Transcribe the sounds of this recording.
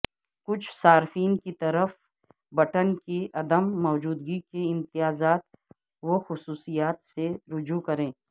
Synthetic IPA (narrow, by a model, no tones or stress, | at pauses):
kʊt͡ʃʰsaːɾfiːnkit̪ɐɾəf | bɐʈənkiʔɐd̪əmːɔːd͡ʒuːd̪ɡikeɪ̃mt̪ɪjaːzaːt̪ | ʋoxʊsuːsijaːt̪seɾʊd͡ʒukɐɾẽː